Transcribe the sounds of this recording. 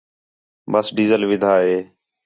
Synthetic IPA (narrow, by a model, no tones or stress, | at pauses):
məsɖiːzəlʋɪd̪ʱaːɦeː